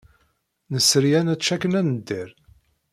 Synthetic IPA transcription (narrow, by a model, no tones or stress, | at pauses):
nəsəɾjænæt͡ʃːækənænəd̪ːiɾ